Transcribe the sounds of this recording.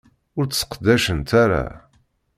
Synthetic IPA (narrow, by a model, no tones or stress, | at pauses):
ʊɾt͡ssə̥qd̪æʃənt̪aɾa̰